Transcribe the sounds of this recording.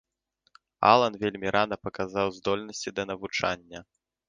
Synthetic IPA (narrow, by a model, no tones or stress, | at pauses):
a̰lˠɐnvʲelʲmʲiɾʔanɐpɐkazawzd̪ɔlʲnɐsʲt͡sʲid̪ɐnɐvut͡ʂa̰nʲːɐ